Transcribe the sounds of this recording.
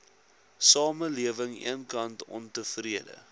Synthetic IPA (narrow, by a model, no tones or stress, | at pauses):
sɑːməliəvəŋḭənkɐntɔ̰ntəfriədə̰